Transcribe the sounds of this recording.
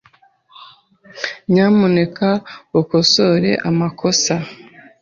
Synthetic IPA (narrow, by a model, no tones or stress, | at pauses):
ɲamune̞kaokoso̞ɾe̞̰ʔamakʰo̞sa